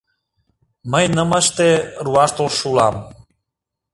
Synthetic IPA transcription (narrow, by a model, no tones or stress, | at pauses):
məjnəməʃt̪eɾuaʃt̪olʃulam